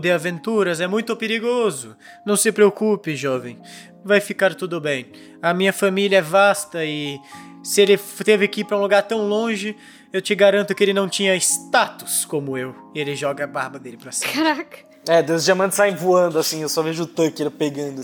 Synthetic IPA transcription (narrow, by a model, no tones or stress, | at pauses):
d̪ɪavẽnt̪uɾɐzɛmũj̃t̪ʊpeɾiɡozʊ | nɐ̃w̃sɪpɾeokupɪʒɔvẽj̃ | vajfikaɾt̪ud̪ʊbẽj̃ | ɐmĩɲɐfamilɐɛvast̪ɐɪ | sɪelɪft̪evɪkipɾɐũluɡaɾt̪ɐ̃w̃lõʒɪ | ewt͡ʃɪɡaɾɐ̃nt̪ʊkɪelɪnɐ̃w̃t͡ʃĩɲɐɪst̪at̪ʊ̥skõmʊew | ɪelɪʒɔɡɐːbaɾbɐd̪elɪpɾɐsĩ̥aɾakɐ̥ | ɛd̪ewzd͡ʒiamɐ̃nt̪ɪsaĩvuɐ̃nd̪ʊasĩewsɔveʒʊːt̪ɐkɪelɪpeɡɐ̃nd̪ʊ